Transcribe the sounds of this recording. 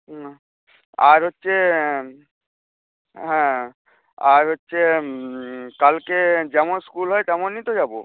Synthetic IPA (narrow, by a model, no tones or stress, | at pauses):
aɾɦotːɕʰe | ɦɛ̃ | aɾɦotːɕʰe | kalked͡ʑɛmonskulɦɔet̪ɛmonːit̪ed͡ʑabo